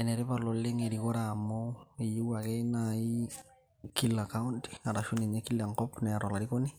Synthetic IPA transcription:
ɛnɛɾepaloleŋeɾikɔɾamɔejuwakenai | kilakaunti̥aɾaʃuneɲekilːaŋkɔpnɛɾalaɾikoni

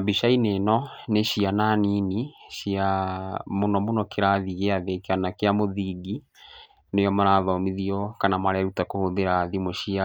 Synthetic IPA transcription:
abiʃainenɔneɕiananiniʃiamonɔmonɔkeɾaðiɣeaðekeanakeamoðiɡi | nejɔmaɾaðɔmiðiɔkanamaɾaɾutakohoðeɾaðimoʃia

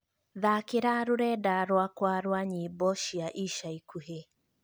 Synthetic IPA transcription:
ðakeɾaɾoɾɛdaɾwakwaɾwaɲibɔʃiaʔiʃaikʰuɦe

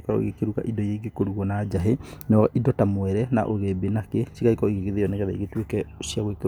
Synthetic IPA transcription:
kaɔ̰ɣekeɾuɣa̰ʔidɔjeiɡekoɾuɣɔnaːd͡ʒaɦenɔidɔtamwɛɾɛna̰ʔoɣebenakesiɣaikɔiɣeɣeðejɔneɣɛðaiɣetwekɛosiaɣwek

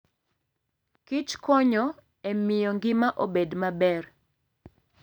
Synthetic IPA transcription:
kit͡ʃkɔɲɔ | emɪjɔŋɡɪmaʔobedmabɛr

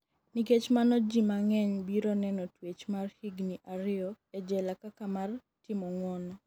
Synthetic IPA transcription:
niket͡ʃmanɔd͡ʒimaŋɛɲbiɾɔnɛnɔtwet͡ʃmarhiɡniʔaɾɪɔ | ɛd͡ʒɛlakakamar | tɪmɔŋwɔnɔ

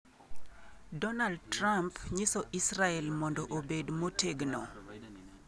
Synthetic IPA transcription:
dɔnald̚trampɲɪsɔʔisɾaɛlmɔndɔʔobedmoteɡnɔ

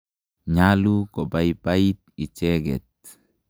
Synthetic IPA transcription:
ɲalukɔbaipait̪̚it͡ʃɛɡɛ̰t̪̚

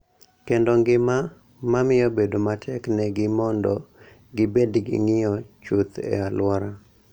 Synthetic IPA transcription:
kendoŋɡɪma | mamɪjɔbedomatʰɛknɛɡɪmɔndɔ | ɡɪbedɡɪ̰ŋɪjɔt͡ʃut̪ɛ̰alwɔɾa

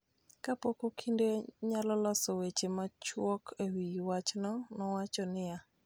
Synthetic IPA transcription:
kapokokʰindeɲalɔlasowet͡ʃemat͡ʃwɔkʰewiwat͡ʃnɔnɔwat͡ʃɔnɪja

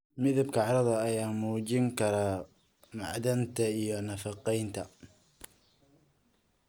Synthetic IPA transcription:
mɪðabkʰɐʕɑɾˤɑðɐːjaːmuːd͡ʒɪŋkʰɐɾa | ma̰ʕd̪ant̪ʰɐijɔnɐfɑqɛjnt̪ʰɐ

